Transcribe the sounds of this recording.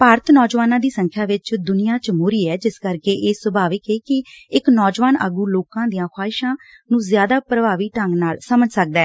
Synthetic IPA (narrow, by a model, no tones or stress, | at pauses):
paːɾət̪nɔːd͡ʒʋaːnãːd̪iːsəŋkʰjaːʋɪt͡ʃd̪ʊnɪjãːt͡ʃəmoːɾiːɛːd͡ʒɪskəɾkeːʔeːsəbʱaːʋəkeːkɪɪknɔːd͡ʒʋaːnə̰ɡuːloːkãːd̪ijãːkʰwaːɪʃãː | nũːzjaːd̪aːpɾəbaːʋiːʈəŋɡnaːlsəməd͡ʒsək̚d̪aɛː